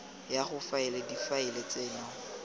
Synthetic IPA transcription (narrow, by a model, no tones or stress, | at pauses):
jaχʊfaɪledifaɪlet͡seːnɔ